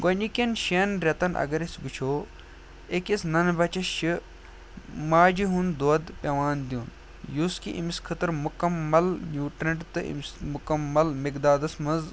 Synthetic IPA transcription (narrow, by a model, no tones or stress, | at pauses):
ɡonʲikʲɐnʃenɾʲɐt̪ɐnʔɐ̰ɡɐɾesʲɡut͡ʃʰoː | ekisnɐnbɐt͡ʃɐʃi | maːd͡ʒiɦund̪od̪pʲɐʋaːnd̪iuːn | juskiʔḭmiskʰɐt̪ɨɾmukɐmːɐlnʲuːʈɾɐɳʈt̪ɨʔḭmsmukɐmːɐlmikd̪aːd̪ɐsmɐz